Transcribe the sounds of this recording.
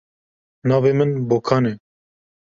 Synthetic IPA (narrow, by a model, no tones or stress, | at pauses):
nɑːveːmɨnboːkʰɑːne